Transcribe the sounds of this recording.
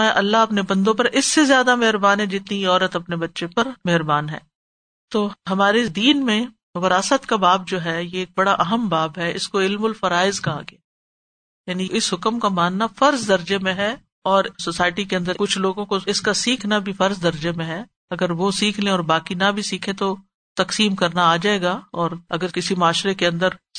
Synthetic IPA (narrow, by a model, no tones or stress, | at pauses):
ʔɐlːaɦɐpnebɐ̃nd̪õp̬ɐɾɪsːezjaːd̪amɛɦɾbaːnɦɛd͡ʒɪt̪niɔːɾət̪ɐpnebɐtːʃẽpɐɾmɛɦɾbaːnɦɛ̰ː | t̪oːɦɐmaːɾed̪iːnmẽ | ʋɐɾaːsət̪kabaːp̚d͡ʒoːɦɛjeːk̚bɐɽaʔɐɦəmbaːbɦɛɪ̰skoɪlmʊlfɐɾaːɪzkɐɦa̰ɡe | jaːniɪsɦʊkəmkamaːnːafɐɾzd̪ɐɾd͡ʒemẽɦɛ | ɔːɾsosaːɪʈikeɐ̃nd̪əɾkʊt͡ʃʰloːɡõkoɪskasiːkʰnabʱifɐɾzd̪ɐɾd͡ʒemẽɦɛ | ɐɡəɾʋosiːkʰlẽɔːɾbaːkinabʱisiːkʰẽt̪o | t̪ɐqsiːmkɐɾnaaːd͡ʒaːeːɡaɔːɾɐɡəɾkɪsimaːʃɾekeɐ̃nd̪əɾ